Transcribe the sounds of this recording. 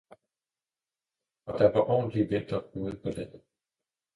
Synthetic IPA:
ɒ̽d̥ɑʋɑ̈ʔɒ̰ːnliʋend̥ɐuːð̩ˠpʰɒ̽d̥en̥

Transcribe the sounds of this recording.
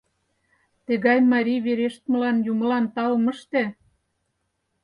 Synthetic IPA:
t̪ĕɣɑjmɑɾʲijβeɾeʃt̪mɤ̆lɑnjumə̆lɑnt̪ɑlmə̆ʃt̪e

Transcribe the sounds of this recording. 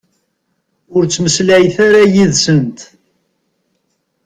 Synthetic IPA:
ʊɾt͡sːməslæjθaɾajiðsənt̪

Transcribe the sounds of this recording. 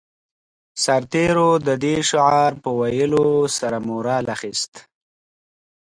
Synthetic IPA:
saɾt̪eɾod̪əd̪eʃʊʕɑɾpəwajəlosaɾamoɾɑlaxist̪

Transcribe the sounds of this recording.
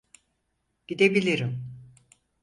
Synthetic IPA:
ɟ̥id̪ebilʲiɾim

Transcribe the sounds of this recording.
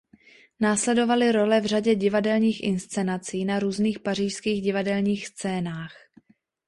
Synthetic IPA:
naːslɛdo̞valɪɾo̞lɛvr̝aɟɛɟɪvadɛlɲiːxʔɪ̰nst͡sɛnat͡siːnaɾuːzniːxpar̝iːʃskiːɣɟɪvadɛlɲiːxst͡sɛːnaːx

